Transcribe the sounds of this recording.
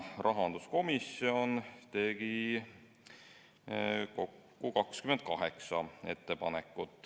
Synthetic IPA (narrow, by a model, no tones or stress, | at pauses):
rʔɑɦɑnd̪usko̞misio̞nt̪e̞ɡ̥i | ko̞kːukɑkskymend̪̥̚kɑɦe̞ksɑe̞t̪ːe̞pɑne̞kːˑut̪ːˑ